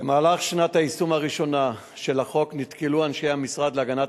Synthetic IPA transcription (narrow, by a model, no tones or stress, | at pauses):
emaːlaχʃnat̪haisumaʁiʃo̞na | ʃelaχo̞knit̪kiluanʃejhamisʁad̪leaɡana